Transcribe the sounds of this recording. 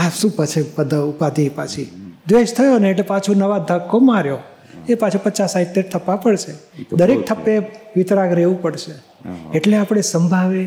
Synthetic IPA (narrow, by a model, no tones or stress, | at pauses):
asũpət͡ʃʰepəd̪əupad̪ipat͡ʃʰid̪ʋeʃt̪ʰəjoneːʈlepat͡ʃʰunəʋad̪ʱəkːomaɾjo | epat͡ʃʰupət͡ʃasaiʈ̚t̪eʈ̚t̪ʰəpːapəɽʃed̪əɾek̚t̪ʰəpːeʋɪt̪ɾaɡɾeʋũpəɽʃe | eʈleapɽ̃esəmbʱaʋe